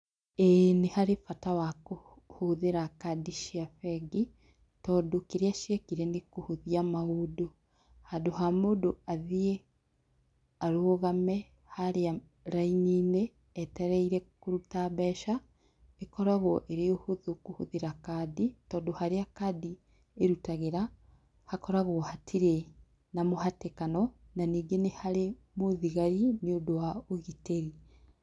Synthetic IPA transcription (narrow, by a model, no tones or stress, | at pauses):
enehaɾefatawako | hoðeɾakadiʃiafɛɡi | tɔdokeɾeaʃiekiɾɛnekohuðiamaudo | hadoɦamodoaðie | aɾoɣamɛ | haɾea | ɾainineː | tɛɾɛiɾɛkoɾutaβɛːʃa | ekɔɾaɣɔʔeɾeohoðokohoðeɾakaːditɔːdohaɾeakadi | eɾutaɣeɾa | hakɔɾaɣohatʰiɾe | namohatekanɔ | naniːɡenehaɾemoðiɣaɾineodowaoɣiteɾi